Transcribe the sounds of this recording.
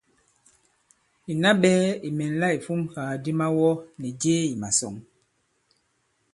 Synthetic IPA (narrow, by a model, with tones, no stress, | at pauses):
i˨na˦ɓɛː˦i˨mɛ˨n̩˦la˦i˨fu˦mhaː˨di˦ma˦wɔ˦nɛ˨d͡ʒeː˦i˨ma˨sɔ̰˨ŋ